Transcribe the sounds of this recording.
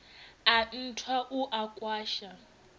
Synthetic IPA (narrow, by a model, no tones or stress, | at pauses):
an̩tʰwaʔuʔakʼwaːʃa